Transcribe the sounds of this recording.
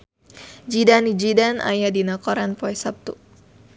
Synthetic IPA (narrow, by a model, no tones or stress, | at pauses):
d͡ʒidanid͡ʒidana̰jadinakɔɾanpɔɛsap̚t̪u